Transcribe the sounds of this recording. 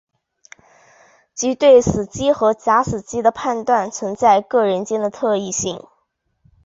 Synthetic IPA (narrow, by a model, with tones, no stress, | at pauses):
t͡ɕi˧˥t̪we˥˩ɪsɹ̩˨˩t͡ɕi˥xɤ˧˥t͡ɕja˧˥sɹ̩˨˩t͡ɕi˥d̪ə˨pʰa˥˧nt̪wa˥˩nt͡sʰə˧˥ŋt͡sa˥˧ɪkɤ˥˩ɻə˧˥nt͡ɕjɛ˥nd̪ə˨t̪ʰɤ˥˧i˥˧ɕi˥˩ŋ